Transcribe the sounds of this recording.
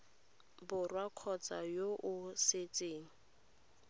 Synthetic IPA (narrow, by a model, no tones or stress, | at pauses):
bʊrwakʰɔt͡sajoʔʊset͡sʼeːŋ̩